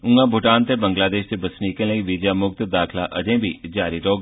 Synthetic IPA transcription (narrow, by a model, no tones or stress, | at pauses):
ʊ̃ŋɡãbʱʊʈaːnt̪ebɐ̃ŋɡlaːd̪eːʃt̪ebɐsniːkẽleiʋid͡ʒaːmʊk̚t̪d̪aːkʰla̰ʔɐd͡ʒẽbʱid͡ʒaːɾiɾoː